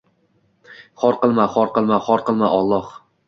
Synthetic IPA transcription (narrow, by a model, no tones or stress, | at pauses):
χɒɾqɨlˠmaχɒɾqɨlˠmaχɒɾqɨlˠmaʔɒlˠːɒh